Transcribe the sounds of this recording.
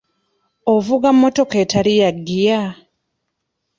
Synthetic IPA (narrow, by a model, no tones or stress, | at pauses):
ovuɡamːoto̞ketʰalijaɡːija